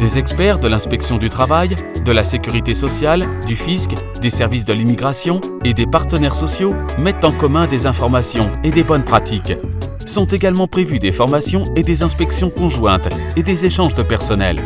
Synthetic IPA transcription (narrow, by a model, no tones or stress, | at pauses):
d̪ezɛkspɛʁd̪əlɛ̃spɛksjɔ̃d̪yt̪χavajd̪əlasekʲyʁit̪esɔsjald̪yfisk | d̪esɛʁvis̬d̪əlimiɡʁasjɔ̃ | ed̪epaʁt̪ənɛʁsɔsjo | mɛt̪ɑ̃kɔmɛ̃d̪ezɛ̃fɔʁmasjɔ̃ed̪ebɔnpχat̪ik | sɔ̃t̪eɡalmɑ̃pχevyd̪efɔʁmasjɔ̃ed̪ezɛ̃spɛksjɔ̃kɔ̃ʒwɛ̃t̪ | ed̪ezeʃɑ̃ʒd̪əpɛʁsɔnɛ̰l